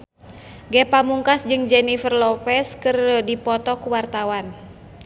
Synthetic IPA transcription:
ɡɛpamuŋkasd͡ʒɨŋd͡ʒɛnifərlɔpɛskɨrədipɔt̪ɔkuwart̪awan

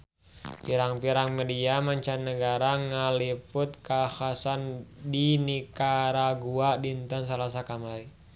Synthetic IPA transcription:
piɾaŋpiɾaŋmɛdiamaɲt͡ʃannːəɡaɾaŋaliput̪̚kahasandinikaɾaɡuadint̪əns̬alas̬akamaɾi

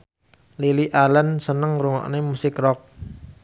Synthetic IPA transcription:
liliʔalənsənəŋɾuŋɔ̰ʔnemusɪkrɔk̚

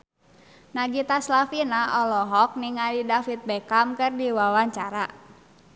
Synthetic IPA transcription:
naɡit̪aslafinaʔɔlɔɦɔk̚niŋalidafit̪̚bɛkamkɨrdiwawaɲt͡ʃaɾa

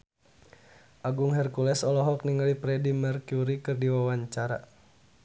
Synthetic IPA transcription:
ʔaɡuŋɦɛrkulɛsɔlɔɦɔk̚niŋalipɾɛdimɛrkjuɾikɨrdiwawaɲt͡ʃaɾa̰

